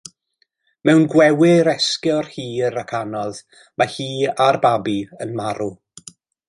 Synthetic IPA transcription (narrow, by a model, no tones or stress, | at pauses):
mɛwnɡwɛwɪɾɛskɛr̥hiːəɾakʰanɔð | mahiːarbabiənmaɾu